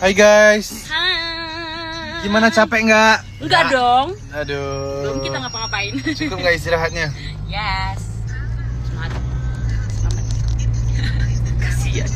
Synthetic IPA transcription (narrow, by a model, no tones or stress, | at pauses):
hajɡajs | a | ɡimanat͡ʃapɛʔŋɡaʔ | ŋɡaʔdɔŋ | adukiaŋapaŋapaɪnd͡ʒikʊp̚ŋɡaʔis̬t̪iɾaɦat̪̚ɲajɛs | mat̪ | sa̰ma | kasia